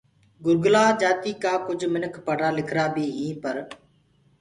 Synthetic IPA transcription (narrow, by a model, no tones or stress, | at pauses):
ɡʊɾɡlaːd͡ʒaːt̪iːkaːkʊd͡ʒʱmɪnəkʰpəɽaːlɪkʰɾaːbiːɦĩːpəɾ